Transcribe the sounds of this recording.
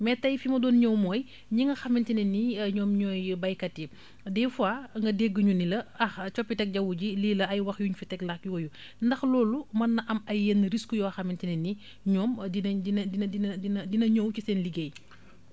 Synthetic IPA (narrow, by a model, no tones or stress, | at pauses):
mɛtːɐjfimɐdɔːnɲɔwmɔːj | ɲiŋɡɐxɐmintinɛniɲɔːmɲɔːjbɐjkɐtːi | dɛfuaːŋɡɐdeɡːəɲunilɐɐxt͡ʃɔpːitɛk̚ɟɐwuɟiliːlɐɐjwɐxjuɲfitɛklɐkjɔːju | ndɐxlɔːlumɐnːɐʔɐmɐjːenːɾiskujɔːxɐmintinɛni | ɲɔːmdinɐdinɐdindinɐdinɐdinɐɲɔwt͡ʃusɛːnliɡej